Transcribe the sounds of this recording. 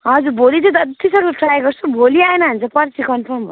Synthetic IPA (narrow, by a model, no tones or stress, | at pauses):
ɦʌd͡zuɾbʱolit͡sʌ̃t̪ʌisʌŋʌʈrajɡʌrt͡sʰubʱoliaenʌɦʌnt͡sʰʌpʌɾt͡sʰikʌnpʰʌrmbʌ